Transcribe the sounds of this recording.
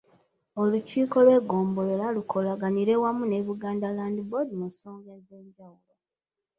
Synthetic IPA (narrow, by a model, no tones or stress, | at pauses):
oluciːko̞lwe̞ːɡo̞ːmbo̞lelalukʰo̞laɡaniɾe̞wamune̞βuɡaːndalaːndibodimusoːŋɡaze̞ːɲɟawulo